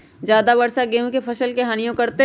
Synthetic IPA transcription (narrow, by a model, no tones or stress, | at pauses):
d͡ʒjaːd̪abɐɽsaɡeɦũkepʰɐʃəlkeɦaːnijõkɐɾt̪e